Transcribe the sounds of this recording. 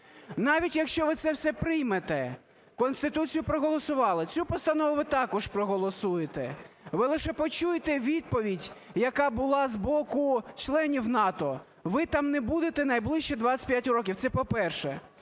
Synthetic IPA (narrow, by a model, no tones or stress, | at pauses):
nɑʋʲitʲjɐkʃt͡ʃɔʋɪt̪sɛwsɛpɾɪjmet̪ɛ | kɔnst̪ɪt̪ut͡sʲijʊpɾɔɦɔlˠɔsʊʋɑlˠɪt͡sʲupɔst̪ɐnɔʋʊʋɪt̪ɑkɔʃpɾɔɦɔlˠɔsujet̪ɛ̰ | ʋɪlˠɪʃɛpɔt͡ʃujet̪ɛʋʲid̪̚pɔʋʲidʲjɐkɑbʊlˠɑzbɔkʊt͡ʃlˠɛnʲiwnɑt̪ɔ | ʋɪt̪ɑmnɛbud̪et̪ɛnɐjblˠɪʃt͡ʃɛd̪ʋat͡sʲsʲɐ̥tʲpʲjatʲrɔk̬ʲiwt̪sɛpɔpɛrʃɛ